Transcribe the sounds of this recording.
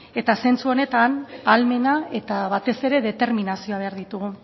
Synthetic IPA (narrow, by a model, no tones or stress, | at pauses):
e̞t̪ase̞nt͡suo̞ne̞t̪analme̞nae̞t̪aβat̪e̞se̞ɾe̞ðe̞t̪e̞ɾminasio̞aβe̞aɾðit̪uɣu